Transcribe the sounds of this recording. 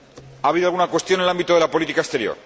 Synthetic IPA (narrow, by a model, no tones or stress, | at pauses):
aːβiðoalɣunakwe̞st̪jo̞nelambit̪oðe̞lapo̞lit̪ikaest̪e̞ɾjo̰ɾ